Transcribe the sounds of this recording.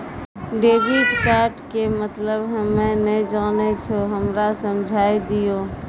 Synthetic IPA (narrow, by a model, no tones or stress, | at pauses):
ɖeːbiɖkaːɾʈkemət̪ləbɦɛ̃mɛ̃nəd͡ʒaːnet͡ʃʰoɦəmɾasəmd͡ʒʱaːid̪ijoː